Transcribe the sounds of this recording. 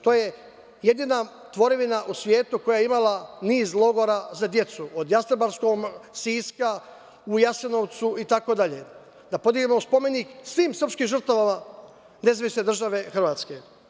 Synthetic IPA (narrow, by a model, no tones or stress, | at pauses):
t̪o̞ːje | je̞d̪ina | t̪ʋo̞ɾiʋinaʔusʋje̞ːt̪uko̞jajimalaniːzlˠo̞ɡo̞ɾazad̪je̞t̪suod̪jast̪ɾobaɾsko̞msiːska | ujaseno̞ʋt̪suit̪ako̞d̪aʎe̞̰ | d̪apo̞d̪iɡemospo̞me̞niksʋiːmsr̩pʃkimʒr̩t̪aʋama | ne̞zaʋisne̞d̪r̩ʒaʋe̞xr̩ʋaːt̪ske̞